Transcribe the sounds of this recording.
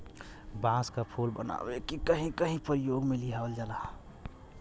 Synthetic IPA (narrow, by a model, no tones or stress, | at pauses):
bãːskapʰulbə̰na̰ːwekikəɦĩkəɦĩpəɾijoːɡmẽliaːold͡ʒala